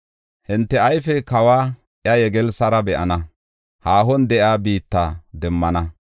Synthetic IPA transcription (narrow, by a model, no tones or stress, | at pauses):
hɪnt̪ːɛɐjfɛkɐwaː | ʔjɐjɛɡɛlsɐɾɐbɛʔɐ̰nɐ | haːɦɔnd̪ɛʔjaːbiːt̪ːa̰ːd̪ɛmːɐnɐ